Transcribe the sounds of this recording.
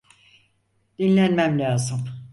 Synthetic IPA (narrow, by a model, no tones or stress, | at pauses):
d̪̥inlʲænmæmlʲaːzɯm